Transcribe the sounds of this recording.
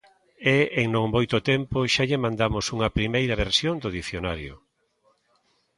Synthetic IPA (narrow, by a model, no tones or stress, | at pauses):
ɛeŋnõŋmojt̪ʊt̪ɛmpoʃaʎɪmãnd̪amʊsuŋɐpɾimejɾɐβeɾsjond̪oðiθjonaɾjo̰